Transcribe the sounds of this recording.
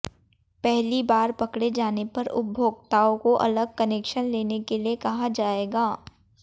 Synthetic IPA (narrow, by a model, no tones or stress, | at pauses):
pɛɦlibaːɾpɐkɽed͡ʒaːnepɐɾʊ̰bʱoːɡt̪aːõkoʔɐ̰ləɡ̚kɐneːkʃənleːnekeliekɐɦad͡ʒaːeːɡaː